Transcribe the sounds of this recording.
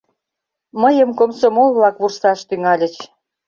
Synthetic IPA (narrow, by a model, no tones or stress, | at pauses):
məjəmkomsomolβlɑkβursɑʃt̪yŋɑlʲə̆t͡ɕ